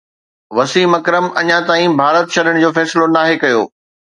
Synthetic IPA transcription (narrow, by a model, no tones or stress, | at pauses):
ʋɐsiːmɐkɾəmɐɲãt̪aːĩbʱaːɾət̪ɕɐɗəɽ̃d͡ʑoːfɛːsɪlonaːɦekɐjo̰ː